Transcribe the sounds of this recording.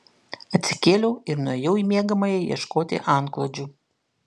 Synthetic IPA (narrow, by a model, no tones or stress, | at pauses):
ɐt̪ʲsʲɪ̥kʲeːlʲɛʊɪɾnuɔjɛʊimʲiɛɡɐmɐjɛjḭɛʃkoːt̪ʲɪ̰ʔɑˑŋklˠoːd͡ʒʲuː